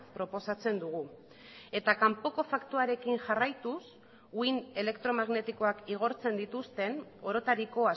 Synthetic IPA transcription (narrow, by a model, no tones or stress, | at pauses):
pɾo̞po̞sat͡se̞nd̪uɣ̞u | e̞t̪akampo̞ko̞fakt̪uaɾe̞kinʝarajt̪us | uine̞le̞kt̪ɾo̞maɣne̞t̪iko̞akiɣ̞o̞ɾt͡se̞nd̪it̪ust̪e̞no̞ɾo̞t̪aɾiko̞a